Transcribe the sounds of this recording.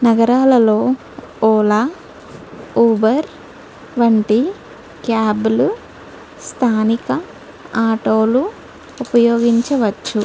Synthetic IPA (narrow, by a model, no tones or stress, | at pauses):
nɐɡɐɾaːlɐlo̞ː | ɔːlaː | uːbɐɾ | ʋɐɳʈi | kjaːbulu | st̪ʰaːnikɐ | aːʈoːlu | upɐjoːɡiɲt͡ʃɐʋɐt͡ʃːu